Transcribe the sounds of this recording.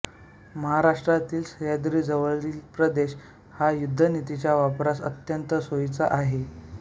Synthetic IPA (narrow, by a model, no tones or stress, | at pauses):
məɦaɾaʂʈɾat̪iːlsəjad̪ɾiːd͡zəʋəɭilpɾəd̪eɕ | hajud̪ʱːənit̪it͡ɕjaʋapɾasə̰t̪jənt̪əsojt͡saʔaɦe